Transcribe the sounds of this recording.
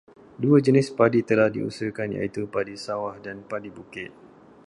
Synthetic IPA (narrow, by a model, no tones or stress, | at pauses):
duad͡ʒənɪspadit̪əlahdḭṵsəkanja̰it̪upadisawahdanpadibukɪt̪̚